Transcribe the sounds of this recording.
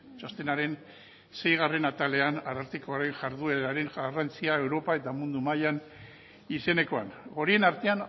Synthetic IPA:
t͡ʃost̪enaɾe̞n | se̞jɣ̞are̞nat̪ale̞anaraɾt̪ikoaɾe̞ŋʝaɾðue̞ɾaɾe̞ŋʝarant͡siaewɾo̞pae̞t̪amund̪umajan | ise̞ne̞ko̞a̰nɣo̞ɾie̞naɾt̪e̞an

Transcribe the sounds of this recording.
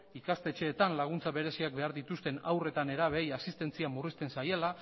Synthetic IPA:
ikast̪e̞t͡ʃe̞ːt̪anlaɣ̞unt͡saβe̞ɾe̞siak̚be̞aɾðit̪ust̪e̞nawre̞t̪ane̞ɾaβ̞e̞jasist̪e̞nt͡siamurist̪e̞nsaje̞la

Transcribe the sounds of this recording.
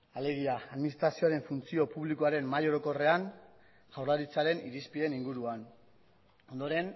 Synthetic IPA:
ale̞ɣ̞iaːðminist̪ɾasio̞aɾe̞ɱfunt͡sio̞puβlikoaɾe̞mmːajo̞ɾo̞ko̞re̞an | ʝawɾlaɾit͡saɾe̞niɾispie̞niŋɡuɾuan | o̞nd̪o̞ɾe̞n

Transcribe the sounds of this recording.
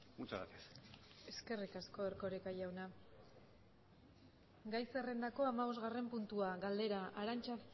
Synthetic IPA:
ut͡sa̰a̰t̪ese̞ske̞rikasko̞eɾko̞ɾekajawna | ɡajsere̞nd̪ako̞amaβo̞zɣare̞mpunt̪uaɣald̪e̞ɾaʔaɾant͡ʃa

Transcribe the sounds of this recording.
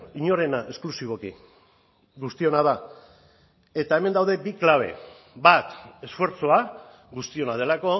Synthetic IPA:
iɲo̞ɾe̞naʔe̞sklusiβ̞o̞ki | ɣust̪io̞naða | e̞t̪ae̞mend̪awðe̞biklaβ̞e̞̰ | bat̪e̞sfwe̞ɾt͡soa | ɣust̪io̞nað̞e̞lako̞

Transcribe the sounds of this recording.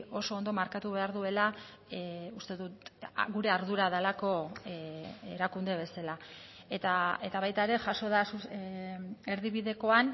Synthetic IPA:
o̞so̞ːnd̪o̞maɾkat̪uβe̞aɾðue̞la | ust̪e̞ðut̪ɣuɾe̞aɾðuɾaðalako̞ | eɾakund̪e̞βe̞sala | et̪ae̞t̪aβajt̪aeɾe̞ʝaso̞ðasu | e̞ɾðiβiðe̞ko̞an

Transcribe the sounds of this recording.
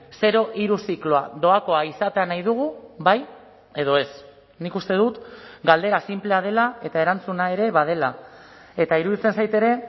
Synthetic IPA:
se̞ɾo̞ʔiɾusikloaðo̞ako̞aisat̪e̞anajðuɣ̞uβaj | e̞ð̞o̞e̞s | nikust̪e̞ðut̪ɡald̪e̞ɾasimple̞að̞e̞lae̞t̪ae̞ɾant͡sunae̞ɾe̞βað̞e̞la | e̞t̪aiɾuðit͡se̞nsajt̪e̞ɾe̞

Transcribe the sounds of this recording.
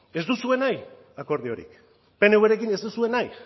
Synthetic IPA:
e̞zd̪usue̞naj | ako̞ɾð̞io̞ɾḭk | pe̞neweɾekine̞zd̪usue̞naj

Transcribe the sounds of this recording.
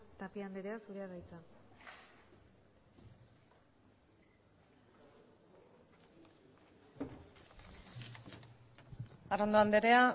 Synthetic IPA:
t̪apiand̪eɾeasuɾeaðajt͡sa | arond̪oand̪eɾea

